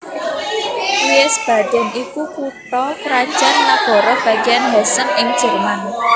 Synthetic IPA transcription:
uɛsb̥a̤d̥ɛ̤nikukuʈɔkɾad̥ʒ̥anlab̥ɔ̤ɾɔb̥a̤ɡianɦɛsənɪŋ̥ʒ̥əlman

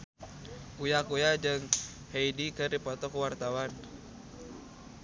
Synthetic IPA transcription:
kujakujad͡ʒɨŋ | heidikɨrdipɔt̪ɔkuwart̪awan

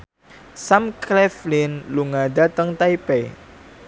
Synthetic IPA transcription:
samklɛflinluŋadat̪əŋt̪aipe

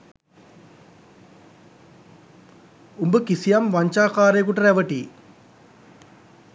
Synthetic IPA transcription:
umbɨkisijamʋɐɲt͡ɕaːkaːɾekuʈːɾeʋɐʈːi

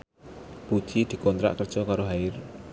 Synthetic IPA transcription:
b̥ud̥ʒ̥id̪̥i̤kɔnt̪ɾa̰ʔkərd̥ʒ̥ɔkaɾoɦaɪr

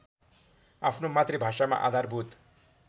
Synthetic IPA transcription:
apʰnomat̪rebʱaʂama̰ʔa̰d̪ʱarbut̪

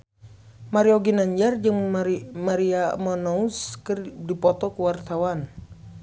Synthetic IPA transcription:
maɾiɔɡinaɲd͡ʒard͡ʒɨŋmaɾiamɔnɔuskɨrdipɔt̪ɔkuwart̪awan

